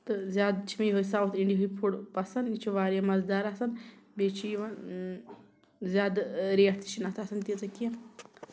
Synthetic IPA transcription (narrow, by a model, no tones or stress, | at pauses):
t̪ɨzʲjaːd̪t͡ʃʰimijɦojsaːʋɐt̪ʰiɳɖiɦujpʰuɽpɐsɐnit͡ʃʰuʋaːɾjɐmɐzd̪aːɾɐsɐnbet͡ʃʰiʋɐ | zʲjaːd̪ɾiːɐʈt̪ʰi̥t͡ʃʰinɐt̪ʰɐsɐnt̪it͡sɐkiɐ̃